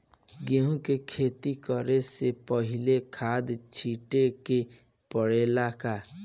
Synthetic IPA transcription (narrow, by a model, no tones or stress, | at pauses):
ɡeɦũkekʰet̪ikɔɾesepəɦilekʰad̪t͡ʃʰiʈeke | pəɽelaka